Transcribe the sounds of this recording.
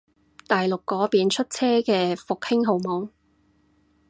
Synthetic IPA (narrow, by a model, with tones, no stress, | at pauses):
t̪aː˨jlʊ˨kːɔː˨˥piː˨˧nt͡ʃʰɵ˥t̚t͡sʰɛː˥kɛː˧fʊ˨k̚hɪ˥ŋɦo˨˩wmɔː˨˥ŋ